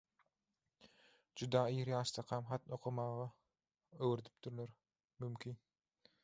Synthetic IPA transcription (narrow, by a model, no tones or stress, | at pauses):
d͡ʒyd̪ɑːiːɾjɑːʃt̪ʰɑqʰɑmχɑt̪noqʰomɑːʁɑ | øwɾed̪i̥p̚t̪yɾleɾ | mymkʲʰin